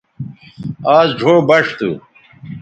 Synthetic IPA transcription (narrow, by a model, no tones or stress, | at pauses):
aːzd͡ʑʱobɐʂt̪ṵ